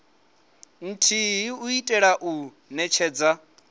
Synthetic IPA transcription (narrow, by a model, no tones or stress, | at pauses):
n̩tʰiɦiuitʼɛɺaʔu | nɛt͡ʃʰɛːd͡za